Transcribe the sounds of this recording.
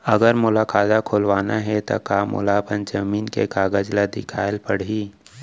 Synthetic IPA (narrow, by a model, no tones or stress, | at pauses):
ɐɡəɾmʊlaːkaːd̪akʰoːlʋaːnaɦɛt̪o̰kaːmʊ̰laːbənd͡ʒɐmiːnkekaːɡəd͡ʒlad̪ɪkʰaːɪlpɐɽ̤ɦiː